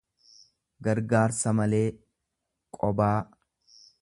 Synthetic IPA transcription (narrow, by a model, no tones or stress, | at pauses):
ɡɐɾɡaːɾsɐmɐle̞ː | kʼɔbaː